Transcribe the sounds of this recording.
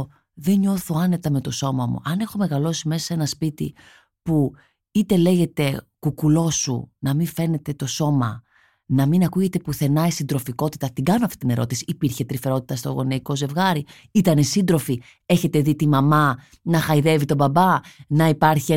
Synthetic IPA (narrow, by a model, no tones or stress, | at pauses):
ðe̞ɲo̞θo̞ɐne̞t̪ɐme̞t̪o̞so̞mɐmṵʔɐne̞xo̞me̞ɣɐlo̞sime̞sɐse̞nɐspit̪ḭ | pu | it̪e̞le̞ʝe̞t̪e̞kukulo̞sṵnɐmiɱfe̞ne̞t̪e̞t̪o̞so̞mɐ | nɐminɐkuʝe̞t̪e̞puθe̞nɐisind̪ɾo̞fiko̞t̪it̪ɐt̪iɡɐnoɐft̪it̪ine̞ɾʔo̞t̪isi̥ːpiɾçe̞t̪ɾife̞ɾo̞t̪i̥t̪ɐst̪o̰ɣo̞neiko̞ze̞vɣɐɾi | it̪ɐnesind̪ɾo̞fi | e̞çe̞t̪e̞ðit̪imɐmɐ | nɐxɐiðe̞vit̪o̞bɐbɐnɐipɐɾçie